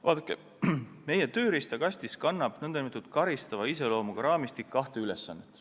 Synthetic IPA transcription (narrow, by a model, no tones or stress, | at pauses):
vɑ̰ːd̪ɑkːˑḛ | me̞jet̪ø̞ːɾist̪ɑkɑsʲt̪iskɑnːɑb̥nɤnd̪̥ɑnimet̪ːˑud̪̥kɑɾist̪ɑvɑise̞lo̞ːmuɡ̥ɑɾɑːmist̪ikːɑht̪e̞ylesːɑnːet̪ːˑ